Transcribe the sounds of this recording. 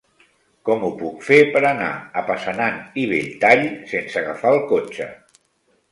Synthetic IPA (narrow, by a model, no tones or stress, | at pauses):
kɔmupukfepəɾəna̰əpəsənaniβ̞eʎt̪aʎsensəɣafaəlˠkot͡ʃə̰